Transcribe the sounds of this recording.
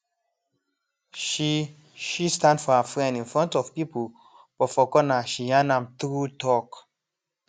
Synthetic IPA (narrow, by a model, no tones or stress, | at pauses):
ʃi | ʃistãndfɔhəfɹɛ̃ndĩnfɹɔ̃ntɔvpipul | b̥ɔfɔkɔnaʃijãnãmtɹutɔk